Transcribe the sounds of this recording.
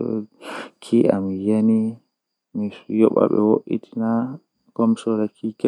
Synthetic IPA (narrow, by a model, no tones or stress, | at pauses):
ɔ̰kʰiʔamijeni | mijɔɓa̰ɓɛ̰woʔḭtʰi̥na | kɔmsɔɾakʰikɛ